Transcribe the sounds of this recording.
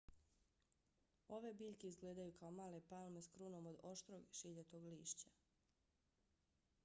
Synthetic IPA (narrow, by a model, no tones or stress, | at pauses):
o̞ʋe̞biːʎkeizɡleːd̪ajukaomaːle̞palˠme̞skɾuno̞mod̪o̞ʃt̪ɾoɡʃiʎet̪oɡliːʃt͡ɕa